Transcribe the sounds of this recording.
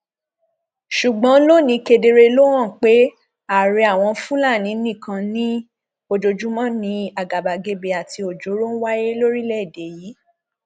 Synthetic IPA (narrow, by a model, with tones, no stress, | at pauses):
ʃu˨ɡ͡bɔ̃˨˦lo˦˨nĩ˧ke˧de˧ɾe˧lo˦wã˦˨k͡pe˨˦ | a˦˨ɾi˧a˦˨w̃ɔ̃˧˦fũ˦la˦˨nĩ˨˦nĩ˦˨kʰã˧nĩ˦ | o˨d͡ʒo˨d͡ʒu˨˦mã˦nĩ˧a˨ɡa˨ba˨ɡe˧˦be˧a˨tʰi˧o˨d͡ʒo˨˦ɾo˦n̩˦wa˦je˦lo˦ɾi˦lɛ˦˨de˨ji˨˦